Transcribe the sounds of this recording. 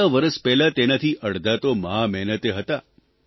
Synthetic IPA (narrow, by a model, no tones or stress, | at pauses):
aʋəɾəspɛɦlat̪enat̪ʰiʔəɽd̪at̪omaɦamɛɦnət̪eɦət̪a